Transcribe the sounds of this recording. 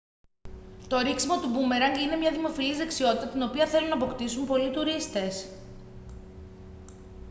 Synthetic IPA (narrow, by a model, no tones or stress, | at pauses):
t̪o̞ɾiksimo̞t̪ubumeɾɐŋɡinemɲɐðimo̞filizðeksio̞t̪i̥t̪ɐt̪ino̞piɐθe̞lunɐːpo̞kt̪isumpo̞lit̪uɾist̪e̞s